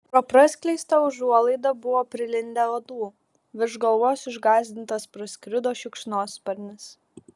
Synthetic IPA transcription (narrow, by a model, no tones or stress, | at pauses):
pɾoːpɾɐsʲkʲlʲɛɪst̪ɐʊʒuɔlˠɐɪd̪ɐbʊʋoːpʲɾʲɪlʲɪnʲd̪ʲælɐd̪uː | ʋʲɪɾʒɡɐlˠʋoːsɪʒɡɑːzʲd̪ʲɪnt̪ɐspɾɔsʲkɾʲɪd̪oːʃʲɪkʃnoːspɐɾʲnʲɪs